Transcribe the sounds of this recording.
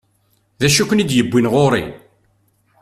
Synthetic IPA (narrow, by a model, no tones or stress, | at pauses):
ðæʃukʷːnid̪jəbːinʁoɾˤḭ